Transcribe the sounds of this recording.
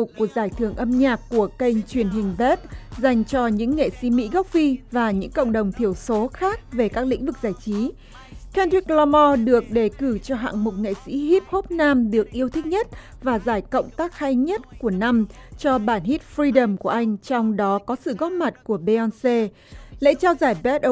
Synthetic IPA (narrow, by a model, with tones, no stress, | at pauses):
ʊ˨˩k͡p̚kːu˨˩ək̚zaː˧˩jt̪ʰɨ˧˩əŋʔə˧mɲaː˨˩kːu˧˩əkə˧jŋ̟t͡ɕwi˧˩ənɦï˨˩ŋ̟ve˦˥t̚za˨˩jŋ̟t͡ɕɔ˧ɲɨ̰˧˥ŋːḛ˧˨sḭ˧˥mḭ˧˥ɣɔ˦˥wk͡p̚fi˧vaː˨˩ɲɨ̰˧˥ŋkə̰˧˨wŋ͡mɗə˨˩wŋ͡mt̪ʰi˧˩əwso˨˦xaː˦˥k̚ve˨˩kaː˦˥k̚lḭ̈˧˥ŋ̟vɨ˨˩k̚zaː˧˩jt͡ɕi˨˦ | kɛ˧nɹi˦˥k̚lɔ˧mɔ˧ɗɨ˨˩ək̚ɗe˧˩kɨ˧˩t͡ɕɔ˧ɦa̰ː˧˨ŋmʊ˨˩t̚ŋḛ˧˨sḭ˧˥ɦi˦˥p̚ho˦˥p̚naː˧mɗɨ˨˩ək̚ʔi˧əwt̪ʰi˦˥k̚ɲə˦˥t̚ | vaː˨˩zaː˧˩jkə̰˧˨wŋ͡mt̪aː˦˥k̚ha˧jɲə˦˥t̚ku˧˩əna˧mt͡ɕɔ˧ɓaː˧˩nɦi˦˥t̚fɾi˧ɗə˨˩mku˧˩əʔa˧jŋ̟t͡ɕɔ˧wŋ͡mɗɔ˨˦kɔ˨˦sɨ̰˧˨ɣɔ˦˥t̚ma˨˩t̚ku˧˩əɓe˧ʔɔ˧nse˧ | lɛ̰˧˥t͡ɕaː˧wzaː˧˩jbɛ˦˥t̚